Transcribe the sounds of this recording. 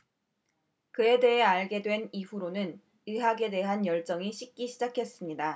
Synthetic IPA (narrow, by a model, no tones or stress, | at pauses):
kɯe̞de̞ɦe̞aɭɡe̞dwe̞niɸuɾonɯn | ɯɦaɡe̞de̞ɦanjʌɭt͡ɕ͈ʌŋiɕʰik̚k͈iɕʰid͡ʑakʰe̞s͈ɯmɲida